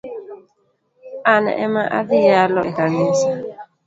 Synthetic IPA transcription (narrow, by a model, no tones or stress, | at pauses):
ana̰ʔɛmaʔa̰ðijalɔʔekanisa